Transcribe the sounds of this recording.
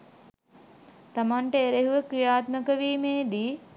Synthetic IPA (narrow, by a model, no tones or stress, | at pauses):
t̪amaɳʈəeɾeɦuʋəkɾijaːt̪məkəʋiːmeːd̪iː